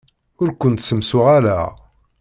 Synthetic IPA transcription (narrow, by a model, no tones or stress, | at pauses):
ʊɾkʷənt̪səmsʊʁælæ̰